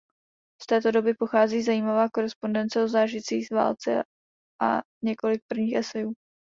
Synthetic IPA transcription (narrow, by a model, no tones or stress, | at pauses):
st̪ɛːt̪o̞do̞bɪpo̞xaːziːzajiːmavaːko̞ɾɛspo̞ndɛnt͡sɛozaːʒɪt͡siːxva̰ːlt͡sɛ̰ | ʔa̰ | ɲɛko̞lɪk̚pr̩vɲiːxʔɛsɛjuː